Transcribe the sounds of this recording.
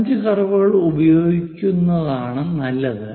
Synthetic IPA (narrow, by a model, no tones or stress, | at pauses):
ɲd͡ʑɨkɐrɐʋuɣɐɭubɐjo̞ːɡikʲːunːɐðaːɳɨnɐlːɐðɨ